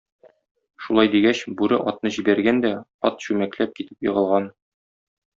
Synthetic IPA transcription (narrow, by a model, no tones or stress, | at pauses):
ʃulˠɑjd̪iɡæɕbʉɾɘʔɒt̪̚nɤʑibæɾɡænd̪æɒt̪ɕʉmæklæp̚kit̪ɘ̥pjɤ̆ʁɤ̆lˠʁɑn